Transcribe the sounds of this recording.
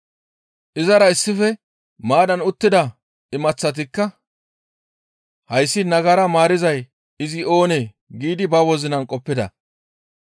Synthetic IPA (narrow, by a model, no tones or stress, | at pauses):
ʔɪzɐɾɐɪsːɪfɛ | maːdɐnʊt̪ːɪd̪ɐ | ɪmɐt͡sːɐt̪̬ɪkːɐ | hɐjsːɪnɐɡɐɾɐmaːɾɪzɐj | ɪzɪo̞ːneː | ɡiːd̪ɪbɐwɔzɪnɐnkʼɔpːɪd̪ɐ̰